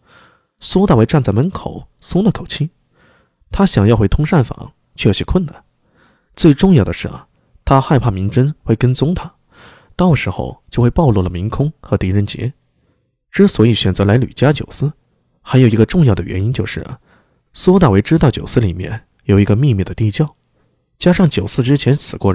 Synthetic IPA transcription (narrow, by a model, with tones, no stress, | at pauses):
sɔ˥t̪a˥˩we˧˥ɪʈ͡ʂa˥˧nt͡sa˥˩ɪmə˧˥nkʰo˨˩˦ʊsʊ˥ŋlə˨kʰo˨˩ʊt͡ɕʰi˥ | t̪ʰa˥ɕjɑ˨˩ŋjɑ˥˧xwe˥˩ɪt̪ʰʊ˥ŋʂa˥˩nfɑ̰˨˩˦ŋ | t͡ɕʰwɛ˥˩jo˨˩ʊɕɛ˥kʰwə˥˩na˨˩˦n | t͡swe˥˧ɪʈ͡ʂʊ˥˧ŋjɑ˥˩ʊd̪ə˩ʂɻ̩̰˥˩ | t̪ʰa˥xa˥˧ɪpʰa˥˩mi˧˥ŋʈ͡ʂə˥nxwe˥˩ɪkə˥nt͡sʊ˥ŋt̪ʰa˥ | t̪ɑ˥˩ʊʂɻ̩˧˥xo̰˧ʊt͡ɕjo˥˧ʊxwe˥˧pɑ˥˧ʊlwɔ˥˩lə˩mi˧˥ŋkʰʊ˥ŋxɤ˧˥t̪i˧˥ɻə˥˩nt͡ɕjɛ̰˧˥ | ʈ͡ʂɻ̩˥swɔ˧˥i˨˩ɕɥɛ˨˩nt͡sɤ˧˥la˧˥ɪly̰˨˩t͡ɕja˥t͡ɕjo˨˩ʊsɹ̩˥˩ | xa˧˥ɪjo˨˩ʊi˧˥ɡə˧ʈ͡ʂʊ˥˧ŋjɑ˥˩ʊd̪ə˩ɥɛ˧˥ni˥nt͡ɕjo˥˧ʊʂɻ̩̰˥˩ | swɔ˥t̪̬a˥˩we˧˥ɪʈ͡ʂɻ̩˥t̪ɑ˥˩t͡ɕjo˨˩ʊsɹ̩˥li˨˩mjɛ̰˥˩n | jo˨˩ʊi˧˥ɡə˧mi˥˧miɛ˥˩d̪ə˩t̪i˥˧t͡ɕjɑ˥˩ʊ | t͡ɕja˥ʂɑ˥˩ŋt͡ɕjo˨˩ʊsɹ̩˥˧ʈ͡ʂɻ̩˥t͡ɕʰjɛ˧˥nsʰɹ̩˨˩kwɔ˥˩˥